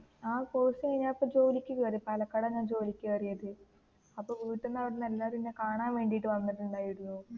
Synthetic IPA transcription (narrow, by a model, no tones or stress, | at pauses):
aːkoːsɐejɲaːpːɐd͡ʑo̞ːlikʲːɨkeɐrijɐpɐlɐkːɐɽɐɲːaːnd͡ʑo̞ːlikʲːɨkɐrijɐðɨ | ɐpːoːʋiːʈːunːɐʋɐɾenelːaːɾinːekaːɳaːnʋe̞ːɳɖijiʈːɨʋɐnːiʈːuɳɖaːjiɽunːuː